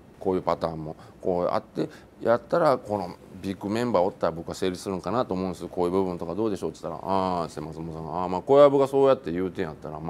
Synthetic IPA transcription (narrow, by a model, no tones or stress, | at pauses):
koːjɯ̟ːpat̪aːmːo̞ko̞̰ːʔa̰t̪ːe̞ | jat̪ːaɾako̞no̞bʲikːɯ̟mẽ̞mbaːot̪ːaɾabo̞kɯ̟ase̞ːɾʲissɨɾɯ̟ŋkanat̪oːmõːnesɨoko̞ːjɯ̟ːbɯ̟bɯ̟nt̪o̞kad̪o̞ːd̪e̞ɕo̞t̪ɨ̥t̪ːaɾa̰ãsemasɨmos̬ãŋamaːko̞jabɯ̟ɡaso̞ːjat̪ːe̞jɯ̟ːt̪ẽjat̪ːaɾam